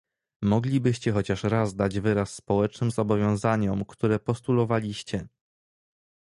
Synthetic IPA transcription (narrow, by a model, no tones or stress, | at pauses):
mɔɡlʲibɘɕt͡ɕɛxɔt͡ɕaʂɾazd̪ad͡ʑvɘɾasːpɔwɛt͡ʂnɘmzɔbɔvʲjɔ̃w̃zaɲɔmkt̪uɾɛpɔst̪ulɔvalʲiɕt͡ɕɛ